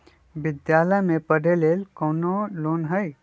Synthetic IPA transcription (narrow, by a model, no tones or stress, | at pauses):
ʋɪd̪jaːləjmẽpɐɽʱeleːlkɔːnoloːnɦəj